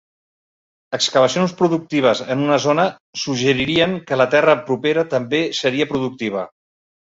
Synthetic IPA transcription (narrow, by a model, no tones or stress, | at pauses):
əkskəβ̞əsionspɾuðuk̚t̪iβ̞əzənunəzonə | suʒəɾiɾiəŋkələt̪ɛrəpɾupeɾət̪əmbesəɾiəpɾuðuk̚t̪iβ̞ə